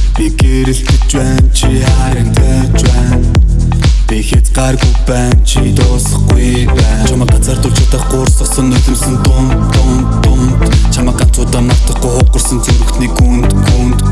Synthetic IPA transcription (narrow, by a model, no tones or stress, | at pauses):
piɡeːɾɘ̆ɬt̪ɘ̆t͡ɕpæːnt͡ɕʰi | aɾə̆nt̪ʰe | t͡ɕpæːn | pixeːt͡sɢarɡujpæːnt͡ɕʰit̪ʊːsə̆χɡuj | pæːt͡ɕʰʊmə̆ːk̚ɢat͡saːrt̪ʊɮɬt͡ɕʰɪ̆t̪ə̆ːχɢʊːrsɔsɞ̆nːɵɮɘ̆msɘ̆nt̪ʊnʊn | t̪ʊnt̪t͡ɕʰamăːk̚ɢant͡sʊːt̪aːmnɔr̥t̪ə̆χɡujχʊt̪̚qɞ̆rsɞ̆nt͡sɵɾɵ̆kt̪ʰniːkuːnt̪ɡunt̪